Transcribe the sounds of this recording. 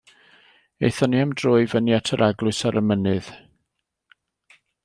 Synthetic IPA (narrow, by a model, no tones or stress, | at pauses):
ḛjθɔniamdroːɨvənjatʰəɾʔaɡlˠʊɨsaɾʔəmənɨð̥